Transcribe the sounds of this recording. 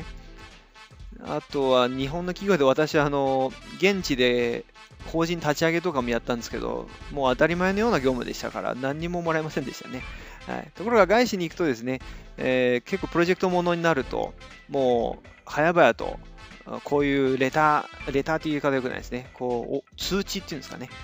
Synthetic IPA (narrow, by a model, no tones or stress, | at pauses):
a̰t̪o̞βaɲ̟iɦõ̞nːo̞kʲiɡʲo̞ːd̪e̞β̞at̪aɕiaːno̞ɡẽ̞ɲ̟t͡ɕid̪e̞ | ko̞ːʑĩnt̪at͡ɕiaɡe̞t̪̬o̞kamo̞jat̪ːãnd̪e̞sɨ̥ke̞d̪o̞̰mo̞ːat̪aɾʲimae̞no̞jo̞ːnaɡʲo̞ːmɯ̟d̪e̞ɕi̥t̪a̰ka̰ɾa̰nãɲ̟ːimo̞mo̞ɾaemasẽ̞nd̪e̞ɕi̥t̪ane̞ | ha̰ḭt̪o̞ko̞ɾo̞ɡaɡaiɕiɲ̟iːkɯ̟t̪o̞d̪e̞s̬ɨne̞ | eke̞kːoːpɯɾo̞ʑe̞kɯ̟̥t̪o̞mo̞no̞ɲ̟inaɾɯ̟t̪o̞̰ | mo̞ː | hajabajat̪o̞̰ | kʰo̞ːjɯ̟ːɾe̞t̪aɾe̞t̪aːt̪ːeiikat̪jo̞kɯ̟nã̰d̪esɨne̞kʰo̞̰ːt͡sɨːt͡ɕit̪ːeiɯ̟̃nsɨ̥kane̞